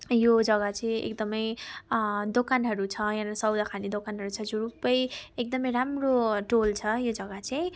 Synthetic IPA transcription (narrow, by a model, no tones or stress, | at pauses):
jod͡zʌɡat͡saj̃ḛkd̪ʌmʌj | d̪okanɦʌɾut͡sʰʌjãɾasʌwd̪akʰanid̪okanɦʌɾut͡sʰʌd͡zuɾupʌjek̚d̪ʌmʌjɾamroʈolt͡sʰʌjod͡zʌɡat͡saj̃